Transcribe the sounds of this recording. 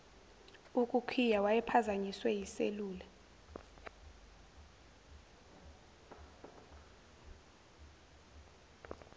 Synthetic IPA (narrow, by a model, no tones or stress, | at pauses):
ukʼukʰijawajɛpʰazaɲiswɛjisḛluːlɛ